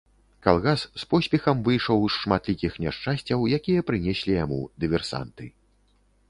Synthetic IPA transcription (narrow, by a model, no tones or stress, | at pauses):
kalˠɣasːpɔsʲpʲɛxɐmvɨjʂɐwsʂmat̪lʲikʲixnʲaʂt͡ʂasʲt͡sʲɐwjakʲijɐpɾɨnʲɛsʲlʲijamṵd̪ɨvʲɛrsa̰nt̪ɨ